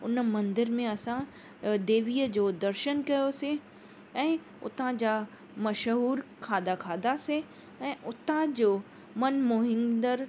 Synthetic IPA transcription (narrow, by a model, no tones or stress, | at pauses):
ʊnmɐ̃nd̪ɪɾmẽɐsã | d̪eːʋiːəd͡ʑoːd̪ɐɾʃənkɐjosɪ̃ | ɛ̃ː | ʊ̰t̪ãd͡ʑaː | mɐʃɦuːɾkʰaːd̪akʰaːd̪ase | ɛ̃ːʊt̪ãd͡ʑoː | mɐnmoɦɪ̃nd̪əɾ